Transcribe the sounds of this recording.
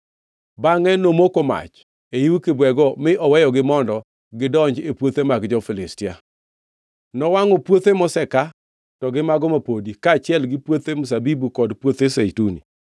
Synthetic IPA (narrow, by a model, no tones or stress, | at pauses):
baŋɛnomokoma̰t͡ʃ | ejiwukɪbwɛɡɔmɪʔɔwɛjɔɡɪmɔndɔ | ɡɪdɔɲd͡ʒepwot̪emaɡd͡ʒɔfɪlɪstɪa̰ | nɔwaŋɔpwot̪emɔsɛka | tɔɡɪmaɡɔmapodikaːt͡ʃɪɛlɡɪpwot̪emʊs̬abibukɔdpwot̪esejtunḭ